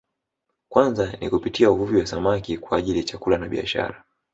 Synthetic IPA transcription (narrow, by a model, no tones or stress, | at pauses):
kwanzanikupitiauvuviwasamakikwaːʄiliat͡ʃakulanaɓia̰ʃa̰ɾa